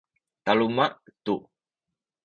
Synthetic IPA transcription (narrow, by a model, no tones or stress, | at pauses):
t̪alumaʔt̪u